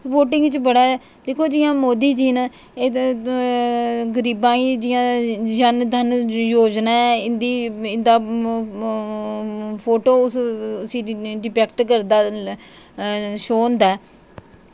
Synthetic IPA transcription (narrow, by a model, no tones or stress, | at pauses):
ʋoːʈɪ̃ŋɡt͡ʃbəɽaːɛː | d̪eːkʰoːd͡ʒɪjãːmoːd̪iːd͡ʒiːn | eː | ɡəɾiːbãːiːd͡ʒɪjãːd͡ʒənd̪ʱənjoːd͡ʒnaːɛɪnd̪iːɪnd̪aː | pʰoːʈoːʊsʊsĩːɖɪpɛːkʈkəɾd̪aː | ʃoːə̃nd̪aː